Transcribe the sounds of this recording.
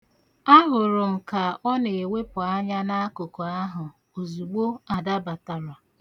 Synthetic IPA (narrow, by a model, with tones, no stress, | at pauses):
a˦ɦʊ˨ɾʊ˨m̩˨ka˨ɔ˦ne˨e˨we˦pʊ˨a˦ɲa˦na˦a˦ko˨ko˨a˦ɦʊ˨ | o˨zu˨ɡ͡bo˦a˨da˦ba˨ta˨ɾa˨